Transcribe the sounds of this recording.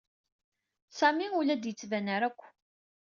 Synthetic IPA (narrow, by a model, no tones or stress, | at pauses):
sæmiulæd̪jət͡sːvænəɾækʷː